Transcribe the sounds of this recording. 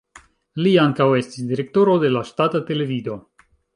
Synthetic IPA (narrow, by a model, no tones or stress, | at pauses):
liaŋkawe̞stisdiɾe̞k̚to̞ɾo̞de̞laʃtatate̞le̞vido̞